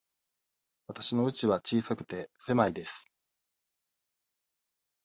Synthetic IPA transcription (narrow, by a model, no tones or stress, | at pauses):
βat̪aɕino̞ɯ̟t͡ɕiβat͡ɕiːsakɯ̟̥t̪e̞se̞maid̪e̞sɨ̥